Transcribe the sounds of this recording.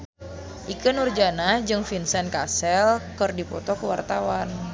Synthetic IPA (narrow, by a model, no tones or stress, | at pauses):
ʔikənurd͡ʒanad͡ʒɨŋfinsɛnkasɛlkərdipɔ̰t̪ɔkəwart̪awan